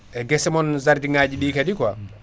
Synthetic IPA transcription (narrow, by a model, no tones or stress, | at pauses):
ʔɛɡɛsɛmɔnzaɾdiŋaːd͡ʒiɗiːkadikɔa